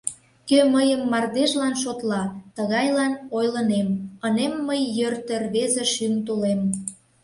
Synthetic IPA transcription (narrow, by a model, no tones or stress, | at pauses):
køməjəmːɑrd̪eʒlɑnʃot̪lɑt̪əɣɑjlɑnojlənemənemːəjːørt̪ərβezeʃynt̪ulem